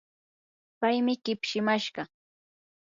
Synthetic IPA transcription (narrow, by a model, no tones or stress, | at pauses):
pajmɪɢɪpʃɪmaʃɢɑ